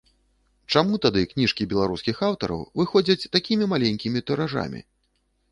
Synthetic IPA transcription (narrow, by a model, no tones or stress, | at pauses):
t͡ʂamut̪ad̪ɨknʲiʂkʲibʲɛlˠaɾuskʲixawt̪ɐ̰ɾɐ̰wvɨxɔd͡zʲɐt͡sʲt̪akʲimʲimalʲenʲkʲimʲit̪ɐɾaʐa̰mʲḭ